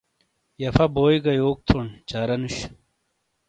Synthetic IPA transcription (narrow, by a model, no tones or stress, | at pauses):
jɐfɐboːjɡɐjoːk̚t̪ʰoɳt͡ɕaːɾɐnuɕ